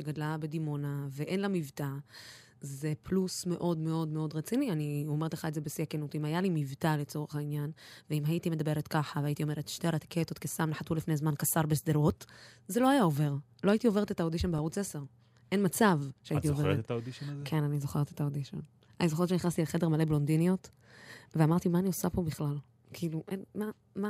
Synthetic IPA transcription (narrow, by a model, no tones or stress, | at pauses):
ʃeɡadlabe̞dimo̞naveʔe̞nlamivta | ze̞plusme̞ʔo̞dme̞o̞dme̞o̞dʁet͡sinianio̞me̞t̪leχaetzebesiakenutimajalimivtale̞t͡so̞ʁeχainjanveimajitimed̪abe̞ʁetkaχaveaːitio̞me̞ʁetʃteaɾat̪i̥kʰet̪otkesamneħatulifnezmankasaʁbesd̪elotzeloajao̞ve̞ʁ | lo̞ait̪io̞ve̞etetaodiʃonbeautt͡seseʁ | ʔe̞nmat͡savʃeaitiovetaodiʃkʰe̞nanizoχeʁet̪et̪aodiʃo̰n | anizoett͡ʃeniχnast̪ialχe̞demale̞blondinijo̞t | veamaʁt̪imaːniosapo̞biχlal | kʰiːluʔenma | ma